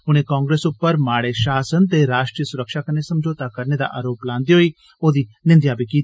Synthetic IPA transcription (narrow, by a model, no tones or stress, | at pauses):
ʊñẽːkãːŋɡɾeːsʊpːəɾmaːɽeːʃaːsənt̪eːɾaːʃʈɾiːjəsʊɾəkʃaːkəɾneːsəmd͡ʒoːt̪aːkəɾned̪a̰ʔa̰ːɾoːplãːnd̪iːɦoːiː | oːd̪iːnɪ̃nd̪jaːbikiːt̪ː